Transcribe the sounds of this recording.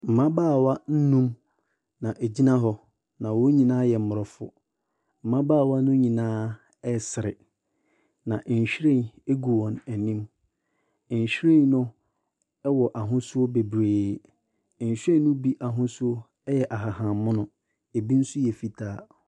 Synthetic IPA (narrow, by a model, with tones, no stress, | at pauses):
m̩˨mã˦baː˦˨wa˦n̩˦nũ˦m | nã˨ʔæ˨d͡ʑi˦nã˦ɦɔ˦ | nã˨wɔ˦ɲĩ˨nãː˦jɛ˨m̩˨mʊ˨ɾɔ˨fʊ̰˨ | m̩˨mã˦baː˦˨wa˦nʊ̃˦ɲĩ˨nãː˦ | ɛ˦sɪ˨ɾɪ˨ | nã˨ʔɲ̩˨ɕᶣɾẽ˦˨ne˦ɡu˨wɔ̃˨næ˨nĩ˦m˨ | ɲ˨ɕᶣɾẽ˦˨n˦nʊ̃˦ | ɛ˦wɔ˨ʔa˨ɦʊ̃˦sʊ˦o˦be˨bɾeː˨ | ɲ̩˨ɕᶣẽ˦nʊ̃˦bi˦ʔa˨ɦʊ̃˦sʊ˦o˦ | jɛ˨ʔa˨ɦa˨hã˨˦mʊ̃˦nʊ̃˨ | e˨bi˦n̩˦sʊ˦jɛ˨fi˨tʰaː˨˦